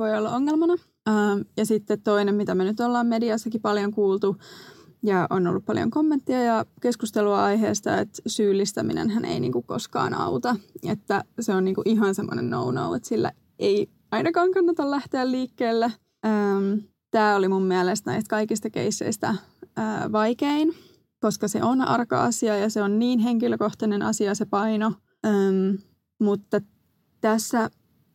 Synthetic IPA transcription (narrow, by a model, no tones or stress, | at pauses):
ʋoiolːɑoŋːelmɑnɑ | əmjɑsit̪ːet̪t̪oinemmit̪æmenyt̪olːɑːmmediɑsːɑkipɑljoŋkuːlt̪u | jɑʔonːo̰lːuppɑljo̰ŋkomːent̪ːiɑjɑkeskust̪eluɑɑiɦeːst̪ɑ̰ḛt̪syːlːist̪æminḛnɦænḛinḭːŋkukko̰skɑ̰ːnɑ̰ut̪ɑḛt̪ːæseoniːŋkuʔiɦɑnsemːo̰nḛnːo̰uno̰uet̪silːæ̰ | ei | ɑinɑkɑːŋkɑnːɑt̪ɑllæht̪eælliːkːeːlːæ | əm | t̪æːolimumːiælest̪næ̰ist̪̚kɑikist̪ɑkḛisːḛist̪æ | əːʋɑikein | koskɑsḛʔonɑ̰rkɑ̰ɑsiɑjɑseonniːnɦeŋkiløkoht̪ɑnenɑ̰siɑsepɑino | əm | mut̪ːɑ | t̪æsːæ